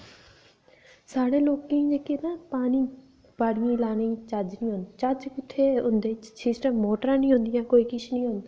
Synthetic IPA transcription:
saːɽeːloːkːẽd͡ʒeːkeːnapaːniː | b̥aːɽɪjãːlaːnet͡ʃad͡ʒnĩːɦõnd̪t͡ʃad͡ʒkɪt̪ʰːeːʊnd̪eːt͡ʃsisʈəmːoːʈəɾãːnĩːɦʊ̃nd̪ɪjãːkoːiːkɪt͡ʃʰnĩːɦʊ̃nd̪aː

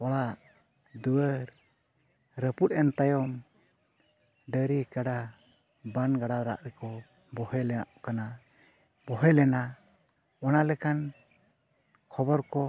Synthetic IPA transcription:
ɔlaʔ | d̪uwəɾ | ɾəput̪̚ˀɛnt̪ajɔm | ɖəɾikaɖa | banɡaɖaɾa̰ʔɾɛkɔ | bɔhɛlɛa̰ʔkana | bɔɦɛlɛna | ɔnalɛkan | kʰɔbɔɾkɔ

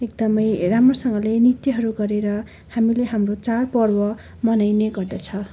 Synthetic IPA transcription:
ek̚d̪ʌmʌjramrosʌŋɡʌlenit̪iɦʌɾuɡʌɾeɾʌ | hamileɦamrot͡sarpʌrwʌ | mʌnajneɡʌrd̪ʌt͡sʰʌ

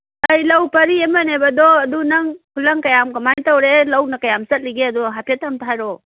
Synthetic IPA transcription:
ɐjlɐwpɐɾiemɐnebɐdɔɐdunɐŋkʰulɐŋkɐjamkɐmajtɐwɾelɐwnɐkɐjamsɐt̚liɡeɐduɦapʰetɐmtʰajɾɔ

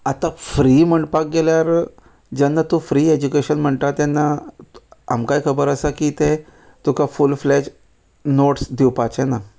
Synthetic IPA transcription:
at̪afɾiːm̤əɳʈpak̚ɡeljaɾ | d͡ʑanːat̪ũfɾiːed͡ʑukeɕənm̤əɳt̪at̪janːa | a̰mkajkʰəbəɾəsakiːt̪e | t̪ukʰafulfled͡ʑ | noʈsd̪ʱiwpat͡ɕena

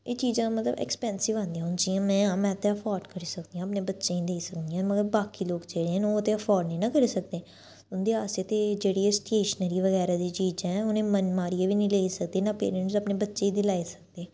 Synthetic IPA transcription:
eːt͡ʃiːzãːmət̪lə̰bɛ̰kspɛ̃ːnsɪʋãːnd̪ĩjãd͡ʒijãːmɛ̃ːmɛ̃ːt̪eəpʰɔːɾɖkəɾiːsəkd̪ijãːəpneːbətːʃẽːĩːd̪eːsəkd̪ijãːməɡəɾbaːkiːloːɡd͡ʒeːɽeːɦɛ̃ːnoːət̪eːəpʰɔːɾɖnĩːnaːkəɾiːsək̚d̪ẽː | ʊnd̪eːaːseːt̪eːd͡ʒeːɽiːesʈeːʃnəɾiːʋəɣɛːɾaːd̪iːt͡ʃiːd͡ʒɛ̃ːʊnẽːmənmaːɾieʋiːnĩːleːisəkd̪eːnapḛːɾəɳʈsəpneːbətːʃeːid̪ɪlaːisək̚d̪eː

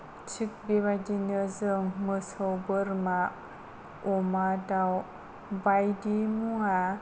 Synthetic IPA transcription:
t͡ʃik̚biβadinɯzɯŋmɯsəwbɯɾma | ɔmadaw | bajdimuŋa

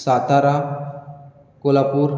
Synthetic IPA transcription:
sat̪aɾa | kolapuːɾ

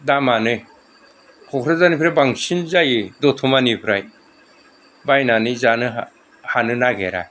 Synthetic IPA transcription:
damanɯj | kʰɔkʰɾazanipʰɾajbaŋsinzajedɔtʰumanipʰɾaj | bajnanɯzanɯ | hanɯnaɡḛɾa̰

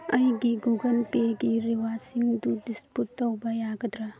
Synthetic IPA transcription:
ɐjɡiɡuɡɐnpeɡiɾiwasiŋd̪udisputːɐwbɐjaɡɐd̪ɾa

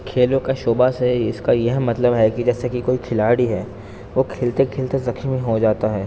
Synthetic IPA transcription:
kʰeːlõkeʃoːbaseɪskajɐɦmɐt̪ləbɦɛkid͡ʒɛːsekikoːikʰɪlaːɽiɦɛː | ʋokʰeːlt̪ekʰeːlt̪ezɐkʰʃmiɦod͡ʒaːt̪aɦɛː

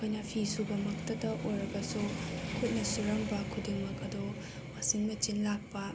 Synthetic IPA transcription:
kʰojnɐpʰisubɐmɐktɐdɐʔojɾɐɡɐsukʰut̚nɐsuɾɐŋbɐkʰudiŋmɐkɐdo | wasiŋmɐt͡ʃinlak̚pɐ

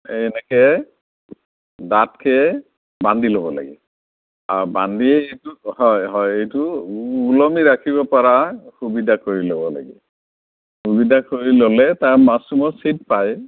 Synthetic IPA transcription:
ɛnɛkɛ | datkʰɛ | bandʱilobɔla̰ɡɛ̰ | a̰ɹba̰ndiɛejtʊhɔjɦɔjejtʊːlɔmiɹakʰibɔpaɹahubidakoɹilobɔla̰ɡɛ̰ | hubidakoɹilolɛtaɹmasumɔsit̚paj

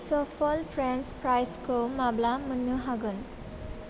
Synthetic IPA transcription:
sɔpʰɔlpʰɾenspɾajskomablamənːuɦaɡɯn

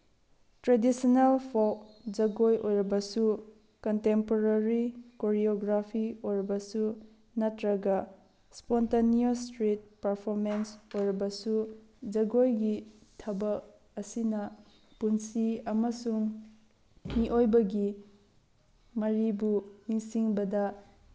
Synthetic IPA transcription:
tɾedisinɐlpʰok̚d͡ʒɐɡojʔojɾɐbɐsu | kɐntempoɾaɾikoɾioɡɾapʰiojɾɐbɐsu | nɐtɾɐɡɐ | spontaniostɾit̚pɐɾpʰoɾmensojɾɐbɐsud͡ʒɐɡojɡitʰɐbɐk̚ | ɐsinɐ | punsiɐmɐsuŋ | miʔojbɐɡi | mɐɾibuniŋsiŋbɐdɐ

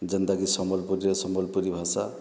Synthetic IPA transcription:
d͡ʒʌnd̪aɡisɔmɔlpuɾiɾesɔmɔlpuɾibʱasa

